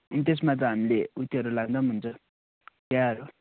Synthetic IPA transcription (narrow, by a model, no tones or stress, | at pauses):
ʌnit̪es̬mat̪ʌɦamileut̪ːeɦʌɾulaɡd̪ʌnɦunt͡sʰʌ | kaʌɾu